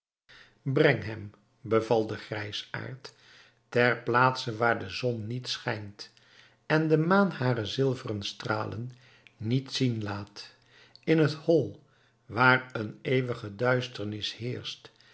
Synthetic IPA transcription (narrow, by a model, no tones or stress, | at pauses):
brɛŋɦɛm | bəvɑlˠdəχrɛjsa̰ːɹtː | ɛrplaːtsəʋaːɹdəzɔnːitsχɛjnt | ɛndəmaːnhaːrəzɪlˠvərənstra̰ːlə̰nː | itsinlaːt | ɪnɦəthɔlˠ | ʋaːrənejʋəχədœɥstəɹnɪshɪːɹst